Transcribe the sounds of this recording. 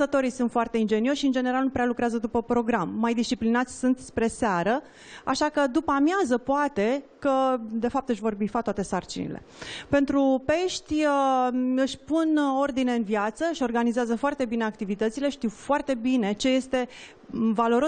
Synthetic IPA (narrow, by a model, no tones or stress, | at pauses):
ət̪o̞ɾijsunt̪foart̪e̞ind͡ʒe̞nio̞ʃːiɨnd͡ʒe̞neɾalnupɾealukɾeazəd̪upəpɾo̞ɡɾamːajd̪ist͡ʃiplinat̪sʲsunt̪spɾe̞seaɾə | a̰ʃakəd̪upamjazəpoat̪e̞kəd̪e̞fap̚t̪ɨʃvo̞rbifat̪wat̪esart͡ʃḭnḭle̞̰pe̞nt̪ɾupe̞ʃt̪ʲəɨʃʲpuno̞rd̪ine̞ɨnvijat̪səɨʃo̞rɡanizeazəfoart̪e̞bine̞ak̚t̪ivit̪ət̪sile̞ʃt̪iwfoart̪e̞bine̞t͡ʃe̞je̞st̪e̞ | valo̞ɾo